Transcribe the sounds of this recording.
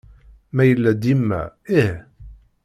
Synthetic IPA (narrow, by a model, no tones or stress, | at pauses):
mæjəlːæd̪imːæ̰ih